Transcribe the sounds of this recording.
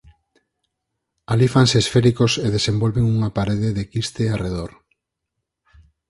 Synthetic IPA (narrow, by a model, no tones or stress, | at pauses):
alifanseːsfeɾikoseðesembolβeŋuŋapaɾeðeðekist̪eareðoɾ